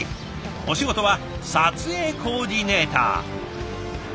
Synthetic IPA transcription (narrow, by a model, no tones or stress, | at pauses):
o̞ɕiɡo̞t̪o̞βa | sat͡sɨe̞ːko̞ːd̪ʲine̞ːt̪a̰ː